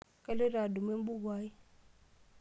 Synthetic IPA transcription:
kʼa˦lɪ˦ɾa˨du˨me˦m˦bu˦ɡwaː˦ji˦

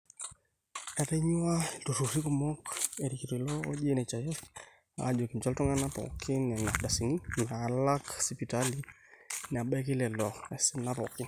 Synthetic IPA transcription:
a˨ɾɛ˦ɲu˦a˦du˨ɾu˨ɾi˦ku˨mɔ˦kɛ˨ɾi˨ki˨tɛ˨lɔ˦ɔʄɛ˦nɛ˨t͡ʃa˨jɛ˦f | a̰d͡ʒɔ˨ki˨m̩t͡ʃa˦ltɔ˦ŋa˦napɔ̰kʰi˦nɛ˨na˨da˨si˨ni˦na˨la˦ksipi˨tali | na˨ɓɛ˦ki˦lɛ˨lɔ˨ɛ˨si˦na˦pɔ˨ki˦

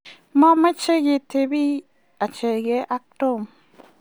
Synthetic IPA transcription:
ma˦ma˦t͡ʃe˦ɡe˨te˨bi˦ | a˨t͡ʃe˨ɡe˨˦ʔa˦k̚to˦˨m

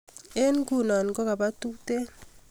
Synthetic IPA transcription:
e˦n˦ku˦˨nɔ˨n˨kɔ˦ka˨ba˦tu˦te˦

